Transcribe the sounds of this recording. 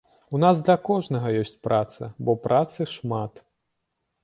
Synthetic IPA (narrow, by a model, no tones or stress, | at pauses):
unasd̪lʲɐkɔʐnɐɣɐjɔsʲt͡sʲpɾʔat̪sɐ̰bɔpɾʔat̪sɨʂmat̪